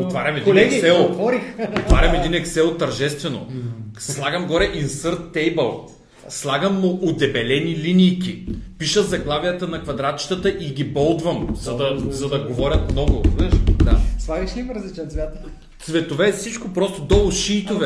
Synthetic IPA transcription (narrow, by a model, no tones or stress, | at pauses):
ot̪vaɾʲɐmɛd̪ilɛɡkisɛlˠt̪vɔɾixot̪vaɾʲɐmɛd̪inɛksɛlˠt̪ɐɾʒɛst̪vɛno̰slˠaɡɐmɡɔɾɛʔinsəɾt̪ːɛjbəlˠ | slˠaɡɐmːʊʔod̪ɛbɛlɛnilinijkʲipiʃəzɐɡlˠavijət̪ənɐkvɐd̪ɾat̪̚t͡ʃi̥t̪ət̪əʔiɡʲibɔlˠd̪vɐmzɐd̪ɐzɐd̪ɐɡovɔɾʲɐt̪mnɔɡʊɛʃd̪aslˠaɡiʃlʲimɾɐzlit͡ʃɛnt̪vjat̪ə | t̪svɛt̪ovɛfsit͡ʃkopɾɔst̪od̪ɔlˠʃiːt̪ovɛ